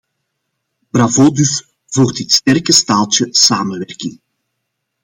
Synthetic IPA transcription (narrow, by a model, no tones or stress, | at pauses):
b̥ravoːdys | vuːrtɪtstɛrkəstaːlˠtəsaːmənʋɛrkɪŋ